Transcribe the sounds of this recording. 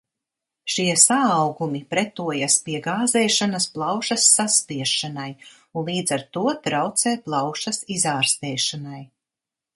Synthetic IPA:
ʃiɛsaːwɡumipɾɛt̪uɔjaspiɛɡaːzɛːʃanasplˠɑwʃasːaspiɛʃanaj | unlˠiːd̪zaɾt̪uɔt̪ɾawt̪sɛːplˠɑwʃɐsizaːɾst̪ɛːʃanaj

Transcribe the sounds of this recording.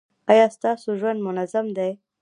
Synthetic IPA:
ɑjɑst̪ɑsoʒwand̪mʊnazamd̪aj

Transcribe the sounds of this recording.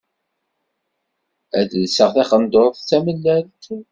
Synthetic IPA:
æðlsəʁθæχənd̪oɾˤθt͡sːæməlːælt̪

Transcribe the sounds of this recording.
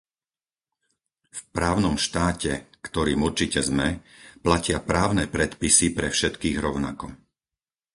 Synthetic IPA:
fpɾaːʊnɔmʃt̪aːcɛkt̪ɔɾiːmuɾt͡ʃicɛzmɛplacɪapɾaːʊnɛpɾɛt̪pisipɾɛfʃɛt̪kiːɣɾɔʊna̰kɔ

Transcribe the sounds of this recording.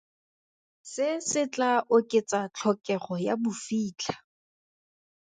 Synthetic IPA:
sɪsɪt͡ɬʼaʔʊkʼɪt͡sʼat͡ɬʰɔkʼɛχɔjabʊfiːt͡ɬʰḁ

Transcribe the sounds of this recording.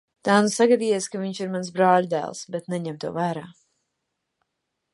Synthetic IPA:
t̪aːnusaɡad̪iːjɛskaviɲt͡ʃiɾmansbɾaːlud̪æ̰ːlˠsbet̪nɛɲɛmt̪uɔvæːɾaː

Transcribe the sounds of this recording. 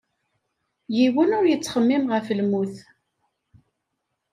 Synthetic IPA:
jiwənʊɾjət͡sːχəmːimʁəflmuθ

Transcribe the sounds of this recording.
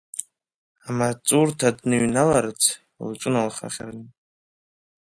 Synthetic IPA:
amat͡sʼurtʰadnɨɥnalaɾɨt͡sʰ | lt͡ʃʷʼɨnalχa̰χʲa̰rnɨ

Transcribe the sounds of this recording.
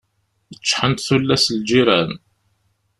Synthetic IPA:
jət͡ʃːħənt̪θulːæsld͡ʒiɾæn

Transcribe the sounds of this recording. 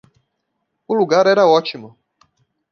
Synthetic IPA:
uluɡaɾɛɾaɔt͡ʃimɔ

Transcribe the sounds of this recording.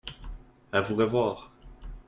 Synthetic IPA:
avuʁəvwaːʁ

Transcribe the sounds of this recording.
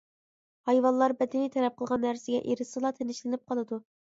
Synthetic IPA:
hɑjvɑllːˠɑɾbɛd̪ɪnit̪ʰɛlɛp̚qʰəlˠʁɑnːæɾsɪɡʲɛʔeɾɪsɨlˠɑt̪ʰenɪʃlɪnɪp̚qʰɑlˠɨd̪u

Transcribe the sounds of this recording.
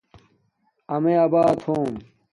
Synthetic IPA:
ɐmeːɐbaːt̪ʰoːm

